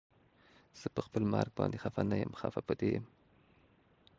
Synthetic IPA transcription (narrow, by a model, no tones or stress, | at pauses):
z̥əpəxpəlmɑɾɡ̚bɑnd̪exafanajəmxafapəd̪ejm